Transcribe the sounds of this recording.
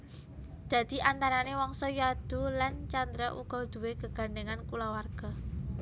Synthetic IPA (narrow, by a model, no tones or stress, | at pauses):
d̪̥a̤d̪̥i̤ʔant̪aɾanewɔŋsɔjad̪̥ṳlant͡ʃand̪ɾɔʔṵɡ̥ɔd̪̥ṳweɡ̥əɡ̥a̤nɖeŋankulawarɡ̥a̤